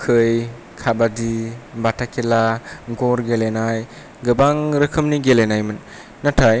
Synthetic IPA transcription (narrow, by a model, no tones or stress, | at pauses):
kʰɯj | kʰabadibatʰakʰelaɡɔɾɡelenaj | ɡɯbaŋɾɯkʰɯmniɡelenajmɯnː | atʰaj